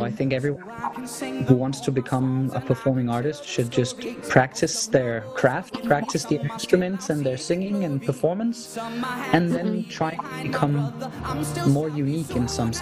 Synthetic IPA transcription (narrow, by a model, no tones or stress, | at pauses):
aɪθɪ̃ŋkɛvɹiwʌ̃n | huwɑ̃ntstʰɨbɨkʰʌ̃mə̰pʰə˞fɔɹmɪ̃ŋɑɹɾɨstʃɨd̚d͡ʒʌstpʰɹ̥æk̚tʰɨsðə˞kʰɹ̥æft̚pʰɹ̥æk̚tʰɨsðiɪ̃nstɹ̥ɨmɨ̃ntsɨ̃nðə˞sɪ̃ŋɪ̃ŋɨ̃npʰə˞fɔɹmə̃ns | ɨ̃nðɨ̃ntʰɹ̥aɪ̃ŋtʰɨbɨkʰʌ̃m | ɔɹjʉnikɨ̃nsʌ̃ms